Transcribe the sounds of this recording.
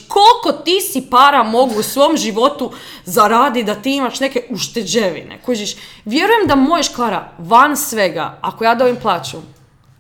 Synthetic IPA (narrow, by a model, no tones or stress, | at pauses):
kʰo̞lˠko̞t̪isipaːɾamo̞ɡuːsʋo̞mʒiʋo̞t̪uzaɾaːd̪id̪at̪iːimaʃne̞ke̞uʃt̪e̞d͡ʑeʋḭnḛkud͡ʒiʃʋje̞ɾujemd̪amojeʃklaːɾa̰ʋansʋe̞ɡa̰akojaːd̪obimplˠaːt͡ɕu